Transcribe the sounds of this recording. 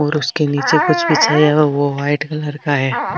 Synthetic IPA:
ɔːɾʊskeniːt͡ʃekʊt͡ʃʰbʱit͡ʃʰaːiaʋoʋaːɪʈkalɐɾkaɦɛː

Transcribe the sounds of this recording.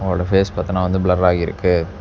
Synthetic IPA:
ɐʋɾoːɽɐfeːspɐːt̪ːɐnãːʋɐnd̪ɯbɭɐɾːaːɣiɪɾɯ̰kːɯ

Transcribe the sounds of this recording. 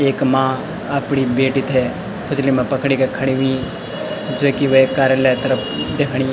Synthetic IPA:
eːkmãː | əpɳibeːʈiːt̪ʰeː | kʰʊslimẽpɐkɽikekʰɐɽiʋĩ | d͡ʒoːkiʋokaːɾjəlaːt̪ɐɾəpʰd̪eːkʰɽ̃iː

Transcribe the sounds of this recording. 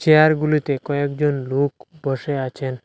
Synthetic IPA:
ʃeaɾɡulit̪ekɔekd͡ʑonlokbɔʃeat͡ɕʰen

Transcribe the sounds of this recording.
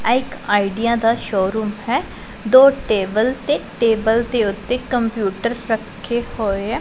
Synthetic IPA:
ɛːɪkaːiɖijãːd̪aːʃoːɾuːmɦɛː | d̪oːʈeːbəlt̪eːʈeːbəlt̪eʊt̪ːeːkəmpjuːʈəɾːəkʰːeːhoːeɛː

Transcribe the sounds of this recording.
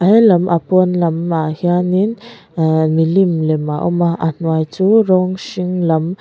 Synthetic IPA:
ʔajlamʔapunlamːahianin | milimlemaʔumaa̰n̥wajt͡suɾɔŋʃiŋlam

